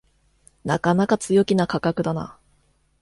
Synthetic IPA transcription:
na̰kanakat͡sɨjo̞kʲinakakakɯ̟d̪ana̰

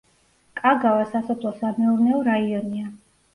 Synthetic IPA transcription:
kʼaɡavasasɔpʰlˠɔsamɛuɾnɛɔɾaiɔnia

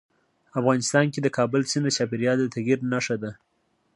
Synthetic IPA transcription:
afɣɑnɪst̪ɑnked̪əkɑbəlsɪnd̪ət͡ʃɑpiɾjɑld̪ət̪aɣiɾnaʂad̪a

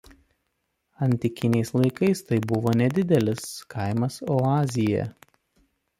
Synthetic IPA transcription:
ɐnʲt̪ʲɪkʲɪnʲɛɪslˠɐɪkɐɪst̪ɐɪbʊʋoːnʲɛd̪ʲɪd̪ʲɛlʲɪskʰɐɪmɐsɔɑːzʲɪjɛ̰

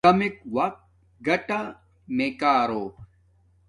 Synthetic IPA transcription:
ɐmikwɐk̚t̪̚ | ɡɐʈa | mekaːɾoː

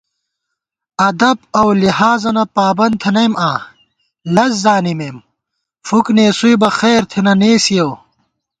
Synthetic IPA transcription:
ɐd̪ɐbɐwlihaːzɐnɐpaːbɐn̚t̪ʰɐnɐjmãː | lɐzzaːnimeːm | fukneːsujbɐxeːɾt̪ʰenɐneːsijow

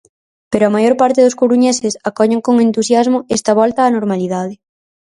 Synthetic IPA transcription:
peɾoamajoɾpaɾt̪ɪðʊskoɾuɲesɪsakɔʎeŋkoŋent̪usjazmʊɛst̪ɐβ̞ɔlt̪aːnoɾmaliðað̞ɪ

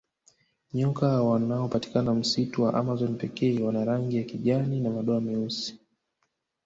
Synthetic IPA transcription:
ɲɔkawanaɔpati̥kanam̩situwaʔamazɔnipɛkɛːwanaɾaŋɡijakiʄaninamaɗɔamiusi̥

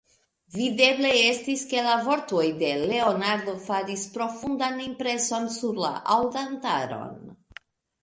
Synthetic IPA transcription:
vide̞ble̞e̞stiske̞lavo̞ɾto̞jde̞le̞o̞naɾdo̞faɾispɾo̞fundanimpɾe̞so̞nsuɾla̰ʔawdanta̰ɾo̞̰n

